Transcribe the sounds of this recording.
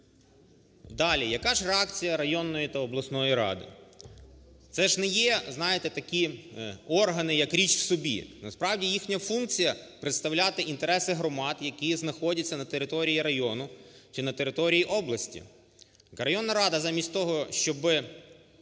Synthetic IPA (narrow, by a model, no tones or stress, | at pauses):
d̪ɑlʲijɐkɑʒreɑkt͡sʲijɐɾɐjɔnːɔjit̪ɐɔblˠɐsnɔjiɾɑ̰d̪ɪ̰ | t̪sɛʒnɛjɛznɑjet̪ɛt̪ɐkʲi | ɔrɦɐnɪjɐkɾʲit͡ʃw̥sɔbʲḭnɐspɾɑwdʲijixnʲɐfunk̚t͡sʲijɐpɾɪt̪st̪ɐwlʲat̪ɪʔint̪eɾɛsɪɦɾɔmɑd̪jɐkʲiznɐxɔdʲɐt͡sʲːɐnɐt̪eɾɪt̪ɔɾʲijiɾɐjɔnʊt͡ʃɪnɐt̪eɾɪt̪ɔɾʲijiʔɔblˠɐsʲtʲḭ | ɾɐjɔnːɐɾɑd̪ɐzɑmʲisʲtʲt̪ɔɦɔʃt͡ʃɔbɪ